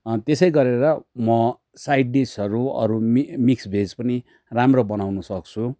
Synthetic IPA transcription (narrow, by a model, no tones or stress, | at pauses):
t̪esʌjɡʌɾeɾʌmʌ | sajɖisʌɾuʌ̰ɾuimiksbʱed͡zpʌni | ramrobʌnawnusʌk̚t͡sʰu